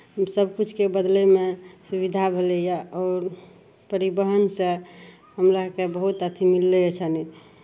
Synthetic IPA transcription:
səbkut͡ʃʰkebəd̪lemesubid̪ʱabʱelejaɔːɾ | pəɾibəɦənsẽ | ɦəmɾakebəɦut̪ət̪ʰimilːeet͡ʃʰani

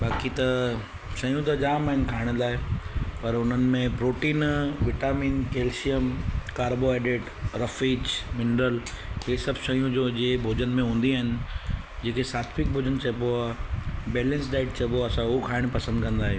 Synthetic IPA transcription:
baːkit̪ɐ | ʃɐjũt̪̬ɐd͡ʑaːmaːɦɪnɪ̆kʰaːɪɽ̃laːɦepɐɾʊn̤ənɪ̆mẽpɾoːʈiːnʋɪʈaːmiːnkeːlsijəmkaːɾboeːɖeːʈ | ɾɐfiːd͡ʑmɪnɾəl | ɦeːsɐbʱʃɐjũd͡ʑoːd͡ʑeːbʱoːd͡ʑənmẽɦũːn̆d̪iaːɦɪnɪ̆ | d͡ʑeːkʰesaːt̪ʰʋɪk̚bʱoːd͡ʑənt͡ɕʰɐpoabɛːlə̃ns̬ɖaːɪʈ̚t͡ɕʰɐboɐsãʊokʰaːɪɽ̃pɐsə̃nd̪̚kɐ̃nd̪aːɦe

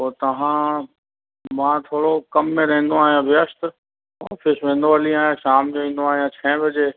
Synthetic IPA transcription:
oːt̪ɐʋ̤ãː | mãːt̪ʰoːɽokɐmːẽɾɐɦẽnd̪oaːɦijãʋɪəst̪ | a̰ːfɪsʋẽːn̆d̪oɐlĩaːɦjẽʃaːmd͡ʑoĩːnd̪oaːɦijãt͡ɕʰɛ̃ːbɐd͡ʑeː

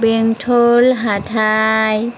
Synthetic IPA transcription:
beŋt̪ʰolɦaːt̪ʰaːj

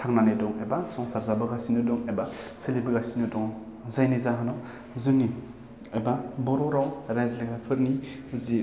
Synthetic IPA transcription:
tʰaŋnanidɔŋebasɔŋsaɾzabɯɡasinɯdɔŋebaselibɯɡasinɯdɔŋ | zajnizaɦɯnɔ | zɯni | ebabɔɾɔɾawɾajzleɡapʰɯɾni | zi

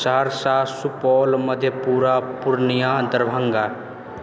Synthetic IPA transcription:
saɦɾsaːsupɔːlməd̪ʱjepuːɾapʊɾnijãd̪əɾbʱə̃ŋɡa

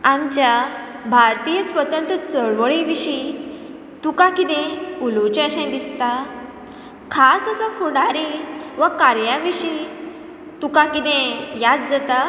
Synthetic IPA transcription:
amt͡ɕja | bʱaɾt̪ijəsʋət̪ənt̪ɾət͡səɭʋəɭiʋiɕi | t̪ukakid̪ẽulot͡ɕəɕə̃jd̪ist̪a | kʰasəsɔfuɳɖaɾiʋəkaɾjãʋiɕi | t̪ukakid̪ẽjad̪̚d͡zat̪a

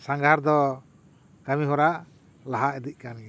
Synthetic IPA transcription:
saŋɡʱaɾd̪ɔ | kamiɦɔɾaʔ | laɦaʔɛd̪iʔ̚kan

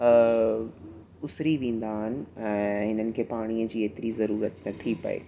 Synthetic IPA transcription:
ə | ʊsɾiʋẽːn̆d̪aːɦɪnɪ̆ɛ̃ːɦɪnənɪ̆kʰeːpaːɽ̃iəd͡ʑiːeːt̪ɪɾizɐɾuːɾət̪nɐt̪ʰipɐ̰ḛː

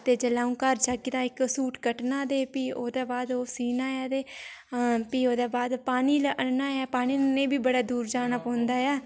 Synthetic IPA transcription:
t̪eːd͡ʒəlaːũːkəɾt͡ʃaɡid̪aːɪksuːʈkəʈnaːd̪eːpiːoːd̪eːbaːd̪oːsiːnaːjaːd̪eː | piːoːd̪eːbaːd̪paːniːlʔənaːaːpaːniːlnẽːbiːbəɽaːd̪uːɾd͡ʒaːnaːpɔ̃ːnd̪aːjaː

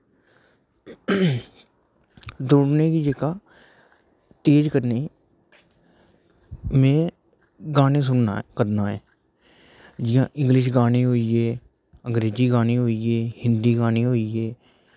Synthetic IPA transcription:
d̪ʊɽneːkiːd͡ʒekaː | t̪eːd͡ʒkəɾne | mẽː | ɡaːnẽːs̬ʊnkəɾnaːɦɛː | d͡ʒɪjãːʔɪ̃ŋɡlɪʃ̬ɡaːnẽːɦoːieː | əŋɡɾeːd͡ʒiːɡaːneːɦoːieːhɪnd̪iːɡaːneːɦoːieː

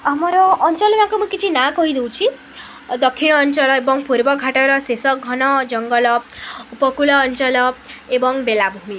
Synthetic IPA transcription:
amɔɾɔʔːɲt͡ʃɔlɔmãkumũkit͡ʃʰinakɔɦid̪ew̃t͡ʃʰi | d̪ɔkʰːiɽ̃ɔːɲt͡ʃɔlɔebɔŋpuɾbɔɡʱaʈɔɾɔsesɔɡʱɔnɔd͡ʒɔŋɡɔlɔupɔkulɔːɲt͡ʃɔlɔebɔŋbelabʱumi

